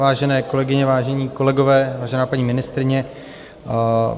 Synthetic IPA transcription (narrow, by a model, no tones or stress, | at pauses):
vaːʒɛnɛːko̞lɛɡɪɲɛvaːʒɛɲiːko̞lɛɡo̞vɛːvaːʒɛnaːpaɲiːmɪnɪst̪ɾɪɲɛ